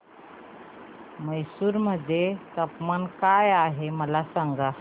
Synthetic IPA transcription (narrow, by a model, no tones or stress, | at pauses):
məjsuːɾməd̪ʱːjet̪əpmankajaɦeməlasaŋɡa